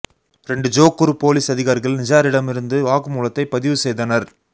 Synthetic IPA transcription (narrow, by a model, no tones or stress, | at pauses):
ɾɛɳɖɯd͡ʒoːkːɯɾɯpoːliːsɐðɪɣaːɾɪɣɐɭnɪd͡ʒaːɾɪɽɐmɪɾɯnd̪ɯʋaːɣɯmuːlɐt̪ːɐɪpːɐðɪʋɯsɛjðɐnɐɾ